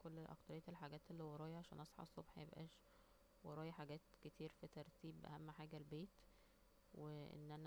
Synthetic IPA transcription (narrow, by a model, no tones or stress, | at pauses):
kolːʔɑ̰kt̪ɑɾejːæelħaɡæːt̪elːihowɑɾˤɑːjɑʕaʃæ̰ːnʔɑsˤħɑ̰ʔsˤːobħjebʔæ̰ːʃ | wɑɾˤɑːjɑħaɡæːt̪ket̪ʰiːɾfit̪ɑɾˤt̪iːbʔæ̰hæmːħaːɡælbeːt̪ | weʔḛnːʔænæ